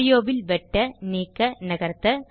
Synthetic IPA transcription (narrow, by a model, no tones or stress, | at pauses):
ɪjoːʋɪlʋɛʈːɐniːkːɐnɐɣɐɾt̪ːɐ